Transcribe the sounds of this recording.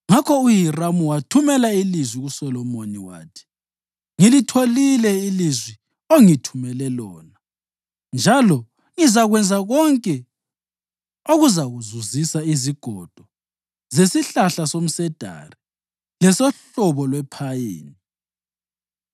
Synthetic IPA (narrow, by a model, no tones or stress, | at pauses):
ŋakʰɔujiramuwatʰumɛlailizwiɣusɔlɔmoniwa̰ːtʰi̥ | ŋilitʰolilɛilizwi | oŋitʰumɛlɛlɔːna | nd͡ʒʱalɔ | ŋizaɣwɛnd͡zʱaɣɔŋkʼɛ | oɣuzaɣuzuzisaiziɡ̥ʱɔd̥ʱɔ | zesiɬaɬasom̩sɛd̥ʱa̰ri | lɛsɔɬɔβɔlwɛpʰajeːni